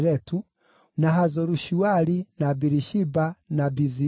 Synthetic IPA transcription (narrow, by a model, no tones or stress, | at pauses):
ɾɛtu | naɦazɔɾuʃuaɾinabiɾiʃibanabizi